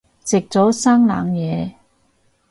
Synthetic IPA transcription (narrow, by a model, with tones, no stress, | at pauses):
t͡sɪ˨k̚t͡sɔː˨˥saː˥ŋla̰ː˨ŋjɛː˨˧